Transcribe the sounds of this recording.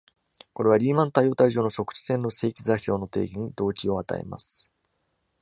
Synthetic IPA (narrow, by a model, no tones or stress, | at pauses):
ko̞ɾe̞β̞aɾʲiːmãnt̪aijo̞ːt̪aiʑo̞ːno̞ɕo̞kɯ̟̥ɕi̥sẽ̞nːo̞se̞ːkʲizaçʲo̞ːno̞t̪e̞̰ːɡʲiɲ̟id̪o̞ːt͡ɕio̞at̪a̰ḛma̰sɨ̥